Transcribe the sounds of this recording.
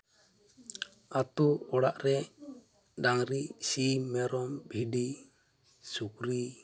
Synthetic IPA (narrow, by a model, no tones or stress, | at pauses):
at̪uɔɽaʔɾɛ | ɖaŋɾiʔsimɛɾɔmbʱiɖi | suk̚ɾi